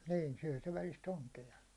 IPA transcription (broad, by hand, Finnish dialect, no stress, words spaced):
niː syæ̹ se ʋælist oŋkeɑ